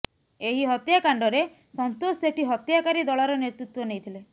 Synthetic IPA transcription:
eɦiɦɔt̪jakaɳɖɔɾe | sɔnt̪oseʈʰiɦɔt̪jakaɾid̪ɔɭaɾɔneɾt̪ɾut̪wɔnejt̪ʰile

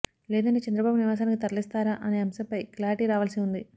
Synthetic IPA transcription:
lɛːd̪ɐɳʈe̞ːt͡ʃɛnd̪ɾɐbaːbuniʋaːs̬aːnikit̪ɐɾlist̪aːɾaʔɐne̞ːɐmsɐmpɐjklaːɾiʈiːɾaːʋaːlsiund̪i

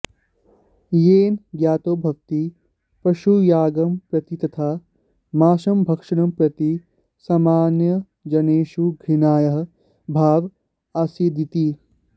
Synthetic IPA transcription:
jeːnɡjaːt̪oːbʱɐʋt̪i | pɐʃujaːɡɐmpɾɐt̪it̪ɐt̪ʰaː | maːʃɐmbʱɐkʂɐɳɐmpɾɐt̪i | saːmaːnjɐ | d͡ʒɐneːʃuɡʱɾɪnaːjɐɦ | bʱaːʋ | asid̪it̪i

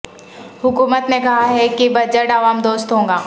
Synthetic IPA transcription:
hʊkuːmət̪nekɐɦaɦɛkibɐd͡ʒəʈaːʋaːmd̪oːst̪ɦõːŋɡaː

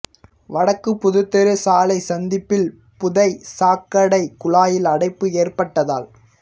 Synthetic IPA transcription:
ʋɐɽɐkːɯpːʊðɯt̪ːɐɾɯsaːlɐɪsɐnd̪ɪpːɪl | pʊðɐɪsaːkːɐɽɐɪkʊɭaːjɪlɐɽɐɪpːɯeːrpɐʈːɐða̰ːl

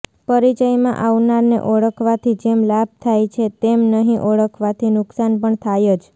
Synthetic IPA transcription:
pəɾit͡ʃəjmã̰ʔaʋnaɾnḛʔɔɭəkʰʋat̪ʰid͡ʒemlab̚t̪ʰajt͡ʃʰet̪emnəɦĩʔɔɭəkʰʋat̪ʰinʊksanpəɳt̪ʰajod͡ʒ

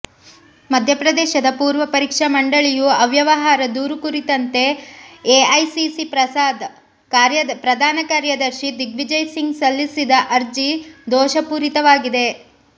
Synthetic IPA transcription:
mɐd̪ʱjɐpɾɐd̪ɛːʃɐd̪ɐpuːɾʋɐpɐɾiːkʂɐmɐɳɖɐɭijuɐʋjɐʋɐɦaːɾɐd̪uːɾukuɾit̪ɐnt̪e̞eɐjsisipɾɐsaːd̪ | kaːɾjɐpɾɐd̪ʱaːnɐkaːɾjɐd̪ɐɾʃid̪iɡʋid͡ʒɐjsiŋɡsɐlːisid̪ɐʔɐɾd͡ʒid̪ɔːʃɐpuːɾit̪ɐʋaːɡid̪e̞

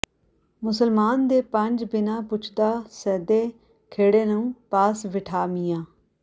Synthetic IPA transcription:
mʊsəlmaːnd̪eːpəɲd͡ʒbɪnãːpʊt͡ʃʰd̪aːsɛːd̪eː | kʰeːɽeːnũːpaːsʋɪʈʰaːmiːjãː

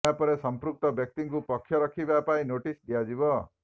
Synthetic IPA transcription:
apɔɾesʌmpɾuk̚t̪ʌbjʌk̚t̪iŋkupʌkʰːjʌɾʌkʰibapaĩnoʈisd̪ijad͡ʒibʌ

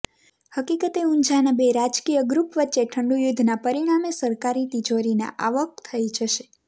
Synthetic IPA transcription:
həkikət̪eũnd͡ʒanəbeɾad͡ʒkijəɡɾupʋətːʃeʈʰəɳɖujud̪ʱnapəɾiɽ̃amesəɾkaɾit̪id͡ʒoɾina̰ʔaʋək̚t̪ʰəid͡ʒəʃe

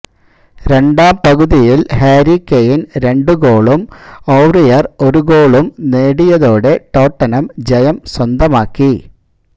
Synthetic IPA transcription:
ɾe̞ɳɖaːmpɐɣuðijilɦeːɾikːejinɾe̞ɳɖɨɡo̞ːɭumowrijɐro̞ɾuɡoːɭumneːɽijɐðo̞ːɽe̞ʈo̞ːʈːɐnɐmd͡ʑɐjɐmswɐnd̪ɐmaːkːi

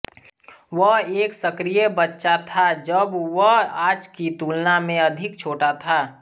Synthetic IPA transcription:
ʋəɦeːksəkɾijebətːʃat̪ʰad͡ʒəbʋəaːd͡ʒkit̪uːlnamẽɐd̪ʱɪk̚t͡ʃʰoːʈat̪ʰaː

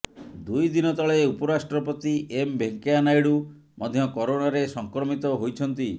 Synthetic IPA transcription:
d̪ujd̪inɔt̪ɔɭeupɔɾasʈɾɔpɔt̪iʔembʱeŋkeanajɽu | mɔd̪ʱjɔkɔɾonaɾesɔŋkɾɔmit̪ɔɦojt͡ʃʰɔnt̪i

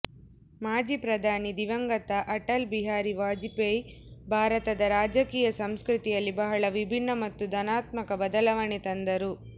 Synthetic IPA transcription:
maːd͡ʒipɾɐd̪ʱaːnid̪iʋɐŋɡɐt̪ɐʔɐʈɐlbiɦaːɾiʋaːd͡ʒipejbʱaːɾɐt̪ɐd̪ɐɾaːd͡ʒɐkiːjɐsɐmskɾut̪ijɐlːibɐɦɐɭɐʋibʱinːɐmɐt̪ːud̪ɐnaːt̪mɐkɐbɐd̪ɐlɐʋɐɳit̪ɐnd̪ɐɾu

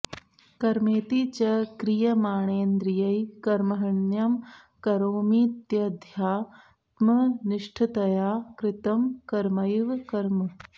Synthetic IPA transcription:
kɐɾmeːt̪it͡ʃɐkɾijɐmaːɳeːnd̪ɾijɐjkɐɾmɐɦɐɳjɐm | kɐɾoːmiːt̪jɐd̪ʱjaː | t̪mɐniʂʈʰɐt̪ɐjaːkɾɪt̪ɐmkɐɾmɐjʋkɐɾmɐ

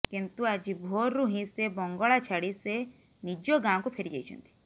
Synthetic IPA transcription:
kint̪uad͡ʒibʱoɾːuɦĩsebɔŋɡɔɭat͡ʃʰaɽise | nid͡ʒɔɡaw̃kupʰeɾid͡ʒa̰jt͡ʃʰɔ̰nt̪i̥

